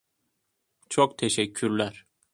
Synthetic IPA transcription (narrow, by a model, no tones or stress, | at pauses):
t͡ʃʰok̚t̪ʰeʃɛcʰːyɾlʲæɾ